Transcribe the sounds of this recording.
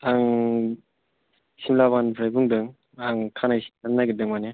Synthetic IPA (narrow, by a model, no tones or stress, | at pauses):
aŋ | simlaβanbʰɾajbuŋdɯŋ | aŋkʰanajannːajɡɯdɯŋmane